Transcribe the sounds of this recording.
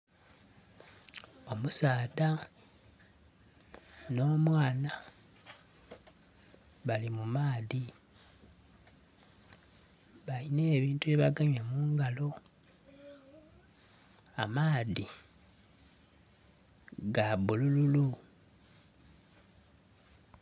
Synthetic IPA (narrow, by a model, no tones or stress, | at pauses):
o̞musaːða | no̞ːmwaːna | βalimumaːði | βaline̞ːβiːntueβaɡaɲamuːŋɡalo̞ | amaːði | ɡaβulululu